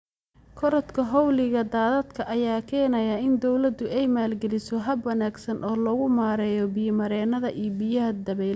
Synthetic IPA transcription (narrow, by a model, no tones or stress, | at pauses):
kʰɔɾɔt̪kʰɐɦɔwlɪɣɐd̪aːðɐd̪kʰɐʔɐjaːkʰɛːnɐjɐɪnd̪ɔwlɐd̪ːʊɛjmaːlɡɛlɪsɔɦɐbwɐnaːɡsɐnʔɔːlɔɣʊmaːɾɛːjɔbɪjmɐɾɛːnɐðɐʔijbɪjɐɦɐd̪ɐβɛl